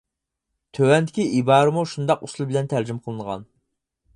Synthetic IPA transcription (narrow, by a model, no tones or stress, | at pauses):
t̪ʰøwɛnd̪ɪkʲiʔibɑːɾɨmuʃund̪ɑqusulˠbɪlɛnt̪ʰæɾd͡ʒymqʰəlˠɨnʁɑ̰n